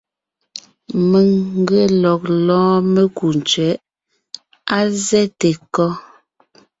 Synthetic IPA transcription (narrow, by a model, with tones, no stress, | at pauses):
me˨ŋ̩˦ɡe˦˨lɔ˨k̚lɔ̃ː˦me˦ku˨n˨t͡ʃɥɛ˨˦ʔ | a˦zɛ˦te˨kɔ˦